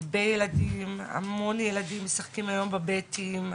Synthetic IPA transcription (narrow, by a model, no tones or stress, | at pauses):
bejeladima̰mo̞njeladimːesaχkimajo̞mbabetim